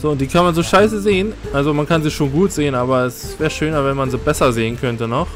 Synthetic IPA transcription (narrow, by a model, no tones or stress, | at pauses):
z̥oːʊnt̚d̥iːkʰanmanzoːʃaɪsəzeːənʔʔalzomankanziːʃoːnɡuːtz̥eːənʔaːbɐɛsv̥ɛːʁəʃøːnɐvɛnmanziːbɛsɐzeːənkʰœntənɔχ